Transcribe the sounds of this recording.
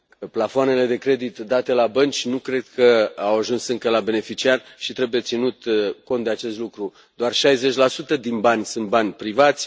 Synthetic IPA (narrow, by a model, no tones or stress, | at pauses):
plafoane̞le̞d̪e̞kɾe̞d̪it̪d̪at̪e̞labənt͡ʃʲnukɾe̞d̪̚kʰəawaʒunsɨŋkəlabe̞ne̞fit͡ʃiarʃit̪ɾe̞buje̞t̪sinut̪ko̞nt̪d̪eat͡ʃe̞st̪lukɾu | d̪̥oarʃajze̞t͡ʃʲlasut̪əd̪inbanʲsunt̪̚banʲpɾivat̪sʲ